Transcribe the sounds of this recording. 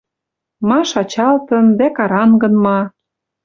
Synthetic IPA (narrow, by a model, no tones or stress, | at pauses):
mɑʃɑt͡ɕɑlt̪ɤ̆nd̪ækɑɾɑnɡɤ̆nmɑ